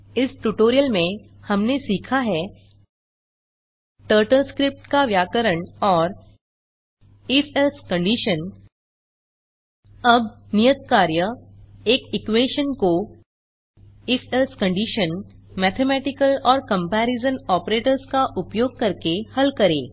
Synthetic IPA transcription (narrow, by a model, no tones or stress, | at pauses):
ɪsʈuʈoːɾijəlmẽ | hɐmnesiːkʰaɦɛ | ʈəːɾʈəlskɾɪp̚ʈkaʋjaːkəɾəɳɔːɾ | ɪfʰelskɐ̃ɳɖiːʃən | ɐbnijət̪̚kaːɾjəeːkɪkweːʃənko | ɪfelskɐ̃ɳɖiːʃənmɛːt̪ʰemɛːʈɪkəlɔːɾkɐ̃mpɛːɾɪzənɔːpɾeːʈəɾskaʔʊpjoːɡ̚kɐɾkehɐlkɐɾeː